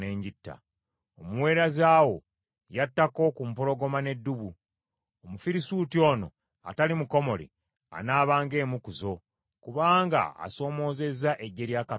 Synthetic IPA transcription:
ne̞ːɲɟitːa̰ | omuwe̞ːɾazaːwo̞̰ | jatːako̞kumpolo̞ɡo̞mane̞dːuβu | omufiɾisuːtio̞ːno̞̰ | a̰talimuko̞mo̞lḭ | a̰naːβaːŋɡe̞ːmukuzo̞ | kuβaːŋɡa̰a̰so̞ːmo̞ːze̞zːaʔeɟːe̞ɾjaka

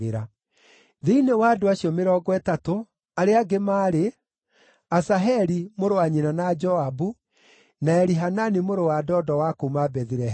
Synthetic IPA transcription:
eɾa | ðeinewaːdoaɕiɔmeɾɔːɡwɛtato | aɾeaɡemaːɾe | asaɦɛɾimoɾoaɲinanad͡ʒɔabu | naɛɾiɦananimoɾowadɔːdɔwakomabɛðiɾɛ

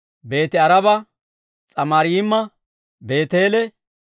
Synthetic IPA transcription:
be̞ːt̪ɪɐɾɐbɐ | t͡sʼɐmaːɾɪjɪmːɐ | be̞ːt̪e̞ːlɛ

